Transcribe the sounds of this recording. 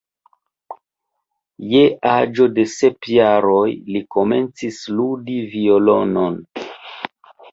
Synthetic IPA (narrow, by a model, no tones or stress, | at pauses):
jead͡ʒo̞de̞se̞pjaɾo̞jliko̞me̞nt͡sisludivio̞lo̞non